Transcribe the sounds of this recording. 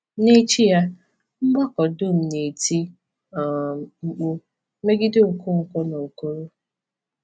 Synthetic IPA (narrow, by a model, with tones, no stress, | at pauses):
ne˦t͡ʃi˦ja˦ | m̩˦ɡ͡bɔ˦kɔ˨dʊ˦m̩˨ne˨ti˦˨ | ŋ͡m̩˦k͡pʊ˦ | me˦ɡɪ˦de˦o˨kʊ˦ŋ̩˨kʷɔ˦no˨o˨ko˦ɾo˦